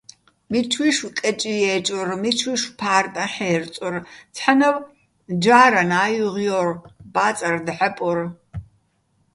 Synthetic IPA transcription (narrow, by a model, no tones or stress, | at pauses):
mit͡ʃʰwiʃwkʼɛt͡ʃʼijɛːt͡ʃʼʊrmit͡ʃʰwiʃpʰaːrtʼɐħɛːrt͡sʼɔrt͡sʰħanɐw | d͡ʒaːɾanaːjuʁjɔrbaːt͡sʼɐrd̪ħɐpʼɔr